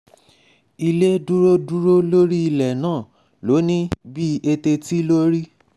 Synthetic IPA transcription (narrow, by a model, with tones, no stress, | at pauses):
i˧le˦du˦ɾo˦du˦ɾo˦lo˦ɾi˦i˧lɛ˨nãː˦˨ | lo˨˦nĩ˦bi˦e˧te˧ti˦lo˦ɾi˦